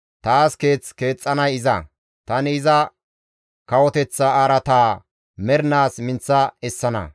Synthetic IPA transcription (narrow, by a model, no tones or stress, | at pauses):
t̪aːske̞ːt͡ske̞ːt͡sʼːɐnɐjɪzɐ | t̪ɐnɪɪzɐ | kɐwɔt̪ɛt͡sːɐaɾɐt̪aː | mɛɾnaːsmɪnt͡sːɐɛsːɐnɐ̰